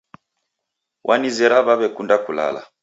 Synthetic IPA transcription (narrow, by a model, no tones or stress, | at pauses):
wʔanizɛɾaβaβɛkundakula̰la̰